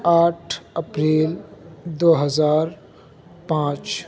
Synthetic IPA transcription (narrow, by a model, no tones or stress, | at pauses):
aːʈʰəpɾeːld̪oːɦəzaːɾ | pãːt͡ʃ